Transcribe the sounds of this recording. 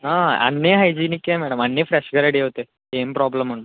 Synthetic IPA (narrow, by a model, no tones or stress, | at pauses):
ɦãa̰nːeɦajd͡ʑinikːjãmɛɽəmanːefɾɛɕɡʱəɾeɽiɦot̪e | empɾɔbləm̤ːəɽ̃uːn